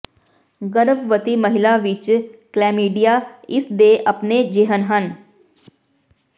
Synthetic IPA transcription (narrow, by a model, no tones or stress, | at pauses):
ɡəɾəbʋət̪iməɦɪlaʋɪt͡ʃklɛːmiːɖijaɪsd̪eːʔɐpned͡ʒɪɦənɦən